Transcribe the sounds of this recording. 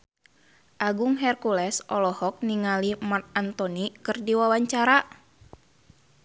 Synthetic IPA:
ʔaɡuŋɦɛrkulɛsʔɔlɔhɔk̚niŋalimart̪̚ant̪ɔnikɨrdiwawaɲt͡ʃaɾa

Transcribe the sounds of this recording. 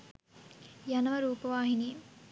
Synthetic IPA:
janɐʋɐɾuːpɐʋaːɦinijm

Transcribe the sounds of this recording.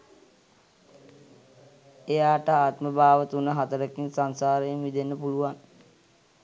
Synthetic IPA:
ejaːʈəaːt̪məbaːʋət̪unəɦat̪əɾəkinsansaːɾəjəmʋid̪enːəpuluʋan

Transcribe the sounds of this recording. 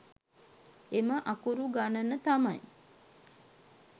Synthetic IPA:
eməʔakuɾuɡanənət̪amaj

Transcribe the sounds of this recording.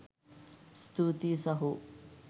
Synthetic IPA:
st̪ʰut̪isɐɦu

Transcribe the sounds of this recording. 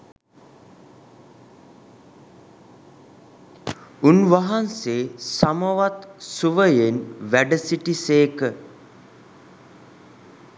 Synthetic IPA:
unʋaɦanseːsaməʋat̪suʋəjenʋæɖəsiʈiseːkə

